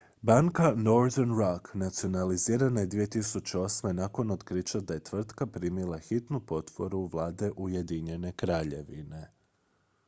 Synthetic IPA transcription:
baŋkano̞ɾd̪eɾnɾaknat̪sio̞naliziːɾanajed̪ʋije̞t̪isut͡ɕeo̞smenako̞not̪kɾit͡ʃad̪aje̞t̪ʋr̩t̪kapɾiːmilˠaxit̪nupo̞t̪po̞ɾuʋlˠaːd̪e̞ʔuje̞d̪iɲe̞ne̞kɾaːʎe̞ʋḭne̞

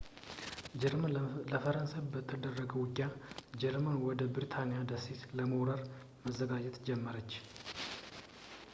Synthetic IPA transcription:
ləfəɾənsajbət̪ʰʼːəd̪ərːəɡəwʊkʼːjad͡ʒɛɾmənwɔd̪əbɨɾt̪ʰanijad̪əset̪ləmowɾəɾ | məzːəɡad͡ʒɛt̪d͡ʒɛmːəɾət͡ʃː

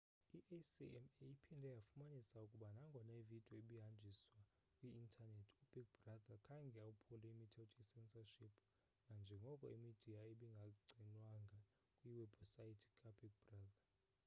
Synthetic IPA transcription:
iʔesḭɛmejipʰindʱɛjafumanisaukʼuɓanaŋɡʱɔnevid̥ʱʼɔeɓiɦand͡ʒʱiswa | kʼwiːntʰanetʰub̥iɡ̚bradakʰaŋɡʱɛaupʰulɛimitʰɛltʰʼisɛnsaʃipʰ | nand͡ʒʱɛŋɡʱɔkʼɔimid̥ʱijaeɓiŋɡʱaɡ͡ǀʱinwaŋɡʱa | kʼwiwɛbsajitʰi̥kʼabiɡ̚brada

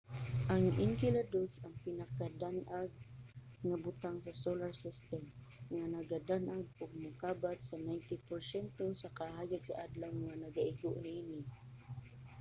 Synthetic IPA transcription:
ʔaŋʔɪŋkɪlad̪osɐŋpɪnakad̪anʔaɡ̚ | ŋabʊt̪aŋsɐsolaɹsɪst̪ɛm | ŋanɐɡad̪anʔaɡ̚ʊɡ̚mʊkaːbat̪sɐnajnt̪ɪpoɹsɛnt̪osɐkahaːjaɡsa̰ʔad̪lawŋanɐɡaʔɪɡʊʔniʔinɪ

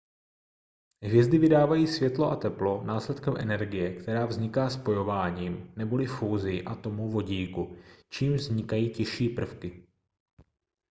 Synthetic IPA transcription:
ɦvjɛzdɪvɪdaːvajiːsvjɛt̪lo̞ʔat̪ɛplo̞naːslɛt̪kɛmʔɛ̰nɛɾɡɪjɛkt̪ɛɾaːvzɲɪkaːspo̞jo̞vaːɲiːmnɛbo̞lɪfuːzɪjɪʔat̪o̞muvo̞ɟiːkut͡ʃiːmvzɲɪkajiːcɪʃiːpr̩fkɪ

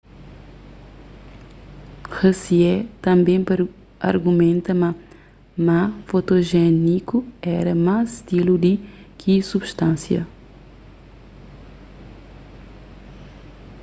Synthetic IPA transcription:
xesiɛt̪ɐ̃mbẽj̃pɾ | ɐ̰ɾɡumẽnt̪ɐmɐ | mafot̪oʒɛnikuɛɾɐmazʃt̪ilud̪ikʰisubʃt̪ãnsjɐ̰

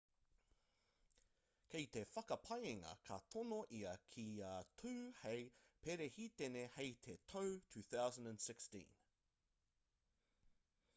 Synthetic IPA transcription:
kʰejt̪e̞fɐkɐpʰɐjeŋɐ̰kʰɐt̪ʰonoʔiɐkʰiaːtʰʉːhejpeɾehit̪enehejt̪ʰetʰowtʰʉːθawzə̃ndæ̃nsɪkstḭ̃n

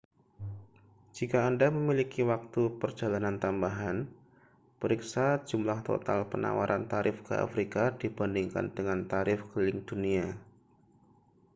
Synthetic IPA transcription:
d͡ʒikaːndaməmilikiwak̚t̪upərd͡ʒalanant̪ambaɦan | pəɾiksad͡ʒumlaht̪o̰t̪alpəna̰wa̰ɾʔant̪aɾʔɪfkəʔa̰fɾikadibəndiŋka̰ndəŋant̪aɾɪfkəlɪŋd̥unia

